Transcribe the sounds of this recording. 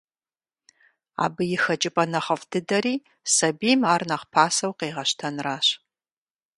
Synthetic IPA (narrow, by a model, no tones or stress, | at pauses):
a̰ːbɨjɪxɐt͡ʃʼɪpʼɐnɐχɐfdɨdɐɾiː | sɐbiːmaːrnɐχpʰaːsɐwqeːʁɐɕtʰɐnraːɕ